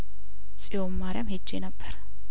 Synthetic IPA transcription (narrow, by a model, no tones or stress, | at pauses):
sʼijwomːaɾɪjamhed͡ʒːenəbːəɾ